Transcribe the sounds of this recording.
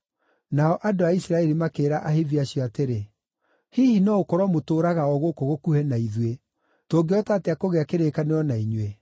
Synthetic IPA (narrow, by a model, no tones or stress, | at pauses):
naɔʔadoaisɾaɛɾimakeːɾaʔaheviaɕjɔateɾe | hihinɔokɔɾɔmotoːɾaɣaɔɣokoɣokuhɛnaiðwe | toːɡeɔtaːtɛakoɣeakeɾeːkaneɔnaiɲwe